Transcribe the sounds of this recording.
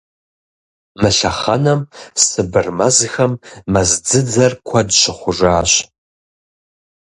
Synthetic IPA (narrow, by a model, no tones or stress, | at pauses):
mɨɬɐχɐnɐmsɨbɨrmɐzxɐmːɐzd͡zɨd͡zɐrkʷʰɐdɕʷʰɪχʷʊʐaːɕ